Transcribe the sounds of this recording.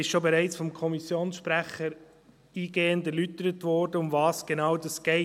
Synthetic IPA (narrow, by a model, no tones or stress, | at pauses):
ɪsʃobeɾæɪt͡sfɔmkʰɔmisjoːnsʃpɾæχəɾ | iːɡeːəndæɾlytəɾətʋɔɾdəʊmvɑːsɡ̥enɑːwdɑsɡ̥ɛɪ